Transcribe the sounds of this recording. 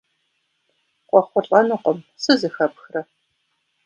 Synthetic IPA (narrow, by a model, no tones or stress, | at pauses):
qʷʼɔχʷʊɬʼɐnɨqʷɔmsɨzɨxɐpxrɐ